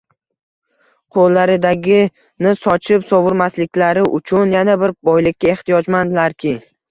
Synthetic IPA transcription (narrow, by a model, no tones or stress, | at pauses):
qʰolːaɾɪd̪aɡʲɪ | nɪsɒt͡ʃʰɪpsɒvʊɾmaslɪkʲlaɾɪʔʊt͡ʃʰʊnjanabɪɾbɒjlɪkʲːae̞χt̪ijɒd͡ʒmand̪ɪlaɾkʲʰɪ